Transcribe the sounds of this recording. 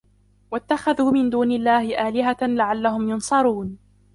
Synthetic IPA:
wat̪ːaxaðuːmɪnd̪uːnɪlːaːhɪʔaːlɪɦalaʕalːahʊmjʊnsˤɑɾˤuːn

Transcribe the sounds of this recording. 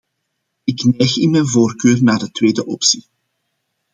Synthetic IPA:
ɪknɛjxɪnmɛjnvoːrkøːrnaːrdətweːdəʔɔpsi

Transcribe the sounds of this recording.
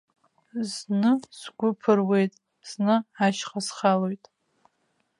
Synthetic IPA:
znɨsɡʷʊpʰɨrwe̞jtʼ | z̥nɨaʃχasχalojtʼ

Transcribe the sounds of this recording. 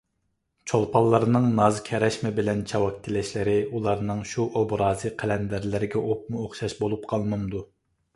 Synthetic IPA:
t͡ʃʰolˠpʰɑlˠːɑɾnɨŋnɑzkʲʰɛɾɛʃmɪbɪlɛnt͡ʃʰɑwɑk̚ʲt̪ʰɪlɛʃlɪɾɪulˠɑɾnɨŋʃuʔobɾɑːzɨqʰælɛnd̪æɾlɪɾɪɡʲɛʔop̚muoχʃɑʃbolˠup̚qʰɑlˠmɨnd̪u

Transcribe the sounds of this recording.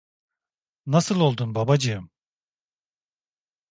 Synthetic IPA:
nasɯlˠo̞lˠd̪unbabad͡ʒɯjɯm

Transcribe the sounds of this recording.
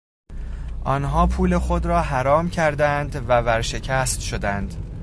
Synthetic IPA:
ʔɒnɦɒːpʰuːle̞xo̞d̪ɾɒːɦæɾɒːmcʰæɾd̪ænd̪vævæɾʃe̞cʰæst̪ʃod̪ænd̪̥

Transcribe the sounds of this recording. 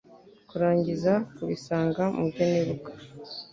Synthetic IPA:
kuɾaːɲɟizakuβisaːŋɡamubɟeneɾukḁ

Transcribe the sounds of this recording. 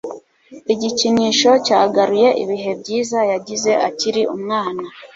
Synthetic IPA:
iɟiciɲiːʃo̞caːɡaɾuje̞ʔḭβiɦe̞bɟiːzajaɟize̞ʔaciɾiʔumŋaːna

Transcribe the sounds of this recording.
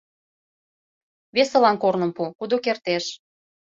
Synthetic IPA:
βesə̆lɑnkornə̆mpukud̪okert̪eʃ

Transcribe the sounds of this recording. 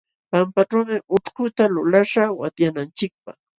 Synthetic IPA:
pampaʈ͡ʂawmɪʔʊʈ͡ʂkʊt̪alʊlaʂawat̪janant͡ʃɪk̚pɑ̰χ

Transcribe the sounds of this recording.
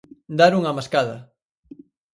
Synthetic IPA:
d̪aɾuŋɐmaskaðɐ̰

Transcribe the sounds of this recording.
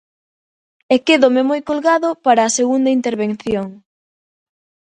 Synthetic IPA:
ekeðʊmemojkolɣaðʊpaɾɐːseɣund̪ɐint̪eɾβenθjoŋ

